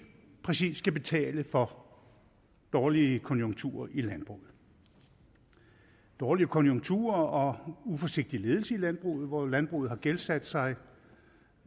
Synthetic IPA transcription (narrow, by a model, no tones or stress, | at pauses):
pʰʁɛsḭːsɡ̥æb̥e̝t͡sʰɛ̰ːləfɒ̽ | d̥ɒːliəkʰɒ̽njo̝ŋɡt͡sʰṵːɐʔilænb̥ʁṵːð̩ˠ | d̥ɒːliəkʰɔ̽njoŋɡ̥̚t͡sʰṵːɐɒ̽ufɒ̽se̝ɡ̥̚d̥ile̝ːð̞ˠl̩səilænb̥ʁṵːð̩ˠʋɒlænb̥ʁṵːð̩ˠhɑ̈ɡ̥elsæd̥sɑ̈ɪ